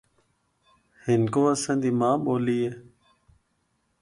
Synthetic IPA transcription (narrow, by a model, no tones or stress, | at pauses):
hɪnkoːəsãːd̪iːmãːɓoːliːeː